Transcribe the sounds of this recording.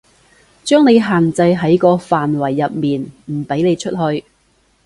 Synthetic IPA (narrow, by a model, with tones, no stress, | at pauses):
t͡ʃœː˥ŋne˨˧jɦaː˨˩nt͡sɐ˧jɦɐ˨˥jkɔː˧faː˨nwɐ˨˩jːɐ˨p̚miː˨nm̩˨˩pe˨˥jne˨˧jt͡ʃʰɵ˥t̚hɵ˧ɥ